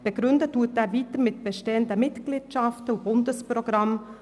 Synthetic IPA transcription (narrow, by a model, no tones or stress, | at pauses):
b̥əɡɾʏndətʰːuːteːɾviːtəɾmɪtb̥əʃteːəndəmɪtɡ̥liːtʃɑftəʊb̥ʊndəspɾoɡ̥ɾɑm